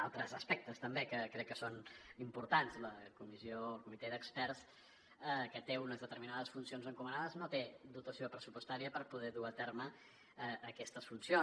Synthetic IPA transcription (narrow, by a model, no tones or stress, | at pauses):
a̰lˠt̪ɾəzəspɛk̚t̪əst̪əmbekəkɾɛkːəsonimpuɾt̪anzləkumizioəlˠkumit̪ɛdəkspɛrs | əkət̪eunəzðət̪əɾminaðəsfunsionzəŋkumənaðəznot̪ed̪ut̪əsiopɾəsupust̪aɾiəpəɾpuð̞ɛðuat̪eɾmə | əːkɛst̪əsfunsio